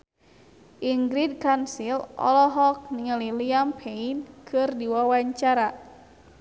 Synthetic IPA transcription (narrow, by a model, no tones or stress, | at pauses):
ʔiŋɡɾid̚kansilʔɔ̰lɔɦɔk̚niŋəliliampʰeinkʰɨrdiwawaɲt͡ʃaɾa